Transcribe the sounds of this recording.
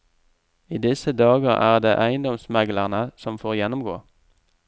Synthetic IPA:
iːd̪ɪsəd̪ɑːɡəʁæ̰ːʁd̪ḛːʔæɪənd̪ɔmsmæɡləʁnəsɔmfoːʁjɛnʊmɡo̰ː

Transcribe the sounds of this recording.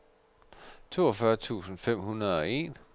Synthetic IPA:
t͡sʰo̝̰ːɒfɶɐt͡sʰṵːsn̩fem̰hunɐð̞̩ˠɒ̽e̝̰ːn

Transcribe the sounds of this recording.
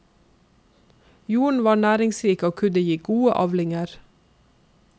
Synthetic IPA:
juːɳ̩ʋɑːɳæːɾɪŋsɾiːkəoːkʰʉnəjiːɡuːəʔɑːʋlɪŋəɾ

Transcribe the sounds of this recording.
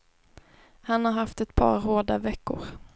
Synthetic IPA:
hanhaɾɦaft̪ɛt̪pʰɑ̰ːɾhoːɖ̪avɛkːʊ̰ɾ

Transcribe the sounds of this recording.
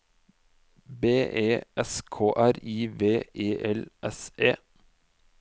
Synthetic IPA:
beːʔeːʔɛskʰoːʔæɾiːʋeːʔeːʔɛlʔɛseː

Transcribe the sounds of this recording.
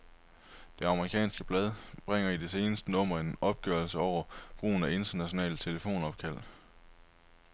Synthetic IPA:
d̥e̝ɑ̈məʁikʰɛ̰ːnsɡ̥əb̥lɛð̞ˠb̥ʁeŋ̰ɐid̥e̝se̝ːnəsd̥ənɔ̽m̰ɐe̝nɒ̽b̥̚ɡ̥œɐlsəɒʊ̰ɐb̥ʁṵːn̩æe̝nd̥ɐnæɕo̝nɛ̰ːlt͡sʰe̝ləfo̝̰ːnɒ̽b̥̚kʰæl̰

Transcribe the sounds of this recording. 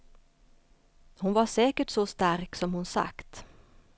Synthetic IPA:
hʊnʋɑseːkəʈsɔst̪æɾksɔmhʊnsa̰kt̪

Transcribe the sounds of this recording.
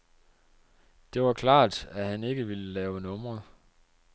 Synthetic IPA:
d̥e̝ʋɑ̈kʰlɑ̰̈ːd̥æhæne̝ɡ̥əʋiləlɛːʊnɔ̽mʁɐ

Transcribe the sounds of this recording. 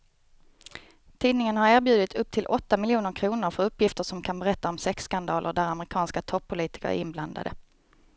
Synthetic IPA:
t̪ʰiːd̪nɪŋənhaɾæːɾbjʉ̟ːd̪ɪt̪ɵp̚ːt̪ʰɪlʔɔt̪ːamɪljuːnəɾkʰɾuːnəɾfœɾɵpːjɪft̪əʂɔmkʰanbɛɾɛt̪ːaɔmsɛkskand̪ɑːlʔə̰ɖæɾamɛɾɪkʰɑːnskat̪ʰɔpʰːʊliːt̪ɪ̥kə̰ɾ̰ɾɪnbland̪a̰d̪ə̰

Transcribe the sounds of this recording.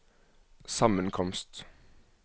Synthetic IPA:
sɑmənkʰɔmst̪

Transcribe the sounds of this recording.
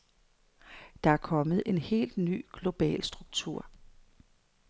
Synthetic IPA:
d̥ɑ̈æɐkʰɒ̽mð̞̩ˠe̝nhe̝̰ːld̥ny̰ːɡ̥lo̝b̥ɛ̰ːlsd̥ʁuɡ̥̚t͡sʰuɐ̰

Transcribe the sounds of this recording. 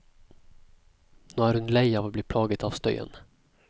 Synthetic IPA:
noaɾɵnlɛjavabliːpʰlɑːɡət̪ɑvst̪œ̰jə̰n

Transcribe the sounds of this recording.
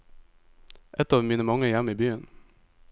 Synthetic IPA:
ʔɛt̪ːɑːvmiːnəmɔŋːəjɛmːɪbyːən

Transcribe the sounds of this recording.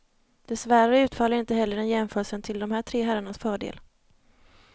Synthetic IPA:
d̪̥ɛsvæɾəʉ̟ːt̪fɑːlːaɾɪnt̪əɦɛlːəɖɛnjɛmfœːɾəsənt̪ʰɪld̪ɔmhæːʈʰɾeːɦæɾaɳasfœːɖḛːl

